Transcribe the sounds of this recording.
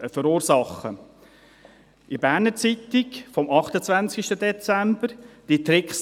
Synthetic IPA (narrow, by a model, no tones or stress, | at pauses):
əfəɾuːɾsɑχə | ʔɪbæːɾnət͡sit̪ɪkfɔmɑχt̪ət͡svænt͡skiʃtədɛt͡sæmb̥əɾd̥it̪ɾɪkχs